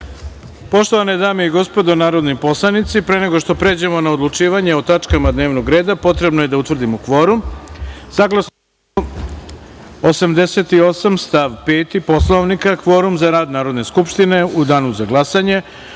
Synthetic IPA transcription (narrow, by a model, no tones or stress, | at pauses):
po̞ʃt̪oʋaned̪aːmeiɡo̞spo̞d̪onaːɾo̞d̪nipo̞slˠanit̪sipɾeːne̞ɡo̞ʃt̪o̞pɾe̞ːd͡ʑemo̞naod̪lˠut͡ʃiːʋaɲeot̪at͡ʂkamad̪ne̞ːʋno̞ɡɾe̞ːd̪apo̞t̪ɾe̞bnoje̞d̪aut̪ʋr̩d̪imokʋo̞ɾumsaɡlˠas | osamd̪e̞se̞t̪io̞samst̪aːʋpe̞ːt̪ipo̞slˠoʋnikakʋo̞ɾumzaɾaːd̪naːɾo̞d̪ne̞skupʃt̪ine̞ud̪aːnuzaɡlasaɲe̞